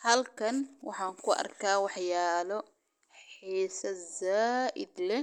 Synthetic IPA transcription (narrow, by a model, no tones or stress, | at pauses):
hɐlkʰɐnwɑħɑːŋkʰʊʔɐ̰rkʰaːwɑħjaːlɔ | ħiːsɐzaːʔɪ̰d̪lɛ